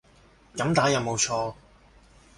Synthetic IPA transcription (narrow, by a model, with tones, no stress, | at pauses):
kɐ˨˥mt̪aː˨˥jɐ˨˧wmo˨˧wt͡ʃʰɔː˧